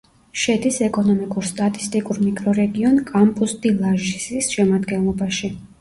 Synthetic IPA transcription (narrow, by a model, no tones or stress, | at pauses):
ʃɛd̪isɛkʼɔnɔmikʼuɾst̪ʼat̪ʼist̪ʼikʼuɾmikʼɾɔɾɛɡiɔnkʼampʼusd̪ilˠaʒisisʃɛmad̪ɡɛnlˠɔbaʃi